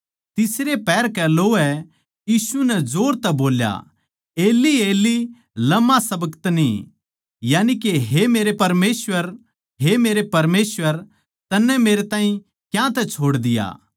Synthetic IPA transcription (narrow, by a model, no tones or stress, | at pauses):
t̪ɪsɾepɛːɾkɛloːɛ | jiːsunɛd͡ʒoːɾt̪ɛboːlja̰ | eːlieːli | lɐmːasɐbəkt̪ni | jaːnikeɦemeːɾepɐɾmeːsʋəɾ | ɦemeːɾepɐɾmeːsʋəɾ | t̪ɐnːɛmeːɾet̪ãːĩ | kjãt̪ɛt͡ʃʰoːɽd̪ɪja̰ː